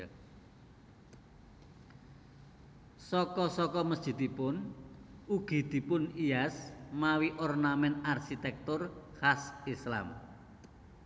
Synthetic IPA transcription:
sɔkɔsɔkɔməsd̥ʒ̥i̤d̪̥ipʊn | uɡ̥i̤d̪̥i̤pʊnijasmawiʔɔrnamɛnarʃit̪ɛk̚t̪ʊrhasisla̰m

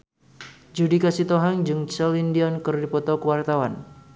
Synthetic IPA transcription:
d͡ʒudikasit̪oɦaŋd͡ʒɨŋt͡ʃɛlindiɔnkɨrdipɔt̪ɔkəwart̪awan

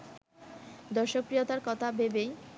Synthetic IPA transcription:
d̪ɔɾʃok̚pɾijot̪aɾkɔt̪ʰabebej

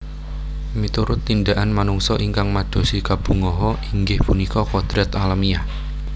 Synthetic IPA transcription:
mit̪uɾʊt̪ːind̪aʔanmanuŋsɔʔiŋkaŋmad̪̥o̤sikab̥ṳŋɔɦɔiŋɡɪhpunikɔkɔd̪̥ɾɛt̪alamia

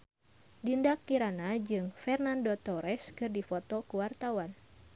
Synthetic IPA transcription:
dindakːiɾanad͡ʒɨŋfɛrnandot̪ɔɾɛskɨrdifot̪okuwart̪awan

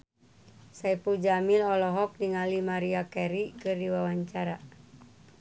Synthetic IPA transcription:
saipud͡ʒamilɔlɔɦɔk̚niŋalimaɾiakɛɾikɨrdiwawaɲt͡ʃaɾa

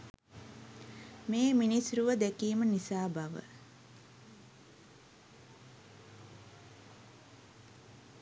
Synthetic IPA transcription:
meːminisɾuʋəd̪ekiːmənisaːbaʋə̰

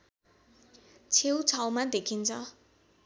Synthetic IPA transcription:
t͡sʰewt͡sʰawmad̪ekʰint͡sʰʌ

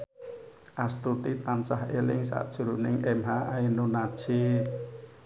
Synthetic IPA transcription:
ʔast̪ut̪it̪ansahelɪŋsa̰ʔd̥ʒ̥ṳɾunɪŋʔɛmɦaʔainunad̥ʒ̥e

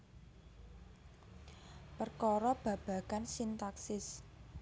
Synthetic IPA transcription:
pərkɔɾɔb̥ä̤b̥ä̤kansint̪aksɪs

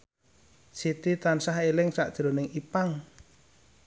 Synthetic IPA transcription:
sit̪it̪ansahelɪŋsa̰ʔd̥ʒ̥ɾonɪŋipaŋ

